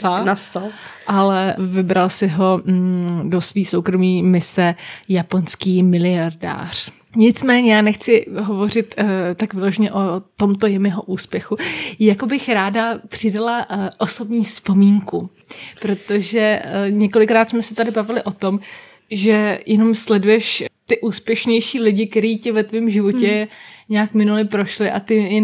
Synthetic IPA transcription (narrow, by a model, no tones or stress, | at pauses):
sanasʔalɛvɪbɾalsɪɦo̞ | do̞sviːsowkɾo̞miːmɪsɛjapo̞nskiːmɪlɪjaɾda̰ːr̝̥ | ɲɪt͡smɛːɲɛjaːnɛxt͡sɪɦo̞vo̞r̝ɪt̪t̪ːakvɪloʒɛɲɛʔo̞t̪o̞mt̪o̞jɛmɪɦoʔuːspjɛxujakobɪxɾaːdapr̝̥ɪdalaʔo̞so̞bɲiːspo̞miːŋku | pɾo̞t̪o̞ʒɛɲɛko̞lɪkɾaːt̪smɛsɛt̪adɪbavɪlɪʔo̞t̪o̞m | ʒɛjɛno̞mslɛdujɛʃt̪ɪʔuːspjɛʃɲɛjʃiːlɪɟɪk̚t̪ɛɾiːcɪvɛt̪viːmʒɪvo̞cɛɲɛaːkmɪnulɪpɾo̞ʃlɪʔa̰t̪ɪjɛ